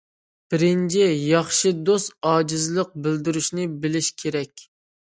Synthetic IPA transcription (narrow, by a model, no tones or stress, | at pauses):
b̥ɪɾɪnt͡ʃʰijɑχʃɨd̪ost̪ɑːd͡ʒɪzlˠəq̚bɪld̪ɪɾyʃnɪbɪlɪʃkʲʰeɾɛkʲ